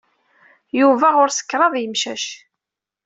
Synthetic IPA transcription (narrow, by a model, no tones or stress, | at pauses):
juvæʁʊɾsə̥kːɾˤɑðˤjəmʃæʃ